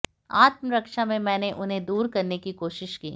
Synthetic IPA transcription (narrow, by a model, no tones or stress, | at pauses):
a̰ːt̪məɾɐkʃamẽmɛ̃ːneʔʊnɦẽd̪uːɾkɐɾnekikoːʃɪʃkḭː